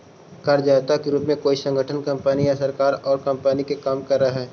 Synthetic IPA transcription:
kɐɾd͡ʒaːt̪akiɾuːpmẽkoːisə̃ŋɡʱəʈʰənkɐ̃mpəːnijasɐɾkaːɾɔːɾkɐmpanikekaːmkɐɾːaɦɛː

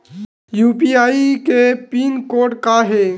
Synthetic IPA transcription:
juːpiaːikepiːnkoːʈkaɦe

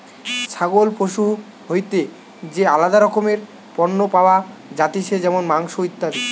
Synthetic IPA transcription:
ʃaɡolpoʃu | ɦojt̪e | d͡ʑealad̪aɾɔkomeɾ | pɔnːopaoad͡ʑat̪iʃʰed͡ʑɛmonmaŋʃoit̪ːaɾi

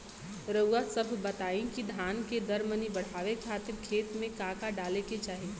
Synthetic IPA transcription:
ɾəasəbʱbɐt̪aːĩkid̪ʱaːnked̪ɐɾmənibɐɽ̤aːʋekʰaːt̪ɪɾkʰeːt̪mẽkaːkaɖaːleket͡ʃaːɦi

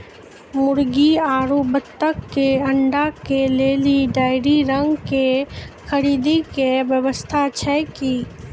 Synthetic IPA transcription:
mʊɾɡiaːɾobət̪ːəkːeɐ̃ɳɖakeleːliɖaːɪɾiɾə̃ŋɡkexʰəɾiːd̪ikeʋjəʋəst̪ʰat͡ʃʰɛki

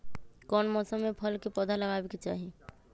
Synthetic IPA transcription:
kɔːnmɔːsəmːẽpʰəlkepɔd̪ʱaləɡaːbeket͡ʃa̰ːɦie

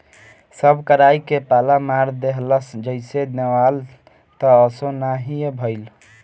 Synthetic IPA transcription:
səbʱkəɾajkepalamaɾd̪eɦləsd͡ʒəɪsenewal | t̪əːsonaɦijebʱəɪl

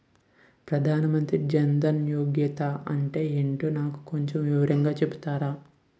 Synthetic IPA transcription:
pɾɐd̪ʱaːnɐmɐnt̪ɾid͡ʒɐnd̪ɐnjoːɡjɐt̪ɐɐɳʈe̞ːeɳʈoːnaːku̥ko̞ɲt͡ʃomʋiʋɐɾɐŋɡaːt͡ʃebu̥t̪aːɾaː

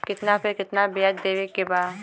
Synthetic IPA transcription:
kɪt̪napʰɪɾkɪt̪nabijəd̪d̪eːʋekːebaː

